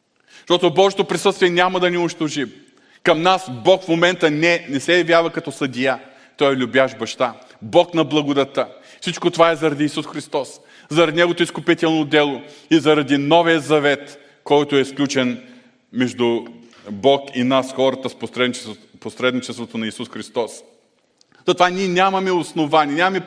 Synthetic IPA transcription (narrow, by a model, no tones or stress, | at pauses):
ʃt̪ɔt̪ʊbɔʒɛt̪opɾisɤəst̪viɛnʲamɐd̪ɐnɛʊniʃt̪oʒi | kɐmnasbɔkfmomɛnt̪ənɛnɛsɛjɐvjavɐkɐt̪ɔsɐd̪ʲija | t̪ɔɛlʲʊbʲjaʃbɐʃt̪a | bɔknɐblˠɐɡʊd̪ɐt̪ːa | fsit͡ʃkot̪ovaɛzɐɾɐd̪iːsusxɾist̪ɔs | zɐɾɐd̪inɛɡot̪oiskʊpit̪ɛlˠnod̪ɛlˠoizɐɾɐd̪inɔvijəzɐvɛt̪ | kɔjt̪oɛsklʲut͡ʃɛn | mɛʒd̪ʊ | bɔkinasxɔɾɐt̪əsposɾɛ | posɾɛd̪nit͡ʃɛst̪vot̪onɐisusxɾist̪ɔs | zɐt̪ovaniɛnʲamɐmɛʊsnovanʲiɛnʲamɐmɛ